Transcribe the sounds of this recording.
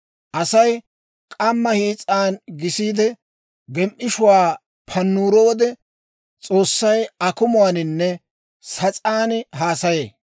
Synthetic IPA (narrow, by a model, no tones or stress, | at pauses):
ʔɐsɐj | kʼɐmːɐhiːt͡sʼːaːnɡɪsiːd̪ɛ | ɡɛmʔɪʃʊwaː | pʰɐnːuːɾowɔd̪ɛ | t͡sʼo̞ːsːɐjɐkʊmʊwaːnɪnːɛ | sɐt͡sʼaːnɦaːsɐjeː